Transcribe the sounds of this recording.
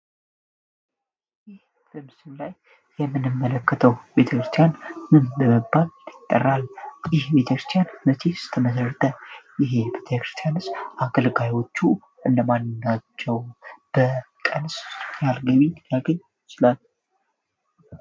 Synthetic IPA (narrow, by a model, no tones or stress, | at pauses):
jɪh | b̥əmɨsɨmlaj | jɛmːɨnɨmːələkːət̪ʰəwbe̞t̪ʰəkɾɨst̪ʰijanmɨnbəməbːaljɪt̪ʼːə̰rːaljɪhbe̞t̪ʰəkɾɨst̪ʰjanmət̪ʰesɨ̥t̪ʰəməsərt̪ʼʰəjɪɦebet̪ʰəkɾɨ̥st̪ʰjanɨsʔakʰəlɡajo̞t͡ʃːu | ʔɨnd̪əmanːɨnːat͡ʃːɛwb̥ə | kʼənsjalɡəβinjaɡəɲː | t͡ʃɪlalː